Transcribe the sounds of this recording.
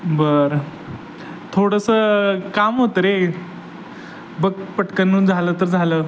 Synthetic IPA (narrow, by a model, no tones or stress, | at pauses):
bəɾ | t̪ʰoɽəsəkamɦot̪əɾe | bəkpəʈkənːuːd͡zʱalət̪əɾd͡zʱaləː